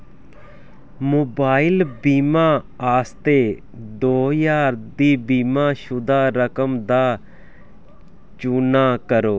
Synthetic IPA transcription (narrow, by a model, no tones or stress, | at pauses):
moːbaːɪlbiːmãː | aːst̪eː | d̪oːjaːɾd̪iːbiːmãːʃʊd̪aːɾəkəmd̪aː | t͡ʃuːnaːkəɾoː